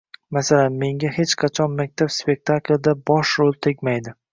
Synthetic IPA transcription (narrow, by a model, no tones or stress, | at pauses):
masalanme̞ŋɡʲahe̞t͡ʃqʰɑt͡ʃʰɒnmak̚ʲt̪ʰapspe̞k̚ʲt̪ʰakld̪abɒʃɾolˠt̪ʰekʲmajd̪ɪ